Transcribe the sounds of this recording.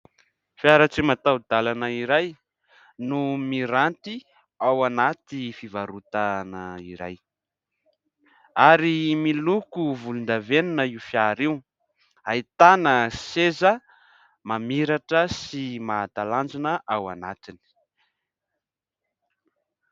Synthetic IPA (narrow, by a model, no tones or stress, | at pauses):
fjaɾat͡simat̪awd̪alanəiɾaj | numiɾant̪i | awanat̪ifivaɾut̪anəiɾa̰j | aɾimilukuvulund̪avenunəiufiaɾew | ait̪anəsezə | mamiɾaʈ͡ʂəsimat̪aland͡ʒinəʔawana̰t̪ini̥